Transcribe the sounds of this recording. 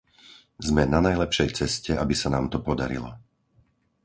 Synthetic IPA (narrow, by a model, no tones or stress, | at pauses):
zmɛnanajlɛpʃɛjt͡sɛscɛabisanaːmt̪ɔpɔd̪a̰ɾḭlɔ̰